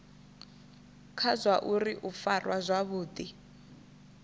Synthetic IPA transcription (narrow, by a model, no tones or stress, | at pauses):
kʰazʷwaʔuriʔufarwazʷaβuːdi